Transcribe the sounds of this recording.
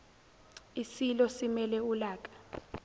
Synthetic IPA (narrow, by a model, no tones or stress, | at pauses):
isilɔsimɛlɛulaːkʼḁ